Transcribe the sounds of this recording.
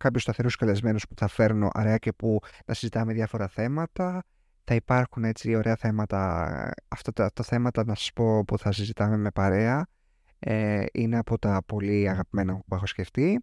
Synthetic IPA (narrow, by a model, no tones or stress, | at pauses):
kɐpçost̪ɐθe̞ɾuskɐle̞zme̞nuspu̥θɐfe̞ɾno̞̰ʔɐ̰ɾeɐce̞punɐsizit̪ɐmeðʝɐfo̞ɾɐθe̞mɐt̪ɐ | θɐipɐɾxune̞t͡sio̞ɾʔe̞ɐθe̞mɐt̪ɐɐ̰ft̪ɐt̪ːft̪ɐθe̞mɐt̪ɐnɐsɐ̥spo̞puθɐsizit̪ɐme̞me̞pɐɾe̞ɐ | eineɐpo̞t̪ɐpo̞liɐɣɐpime̞nɐpue̞xo̞sce̞ft̪i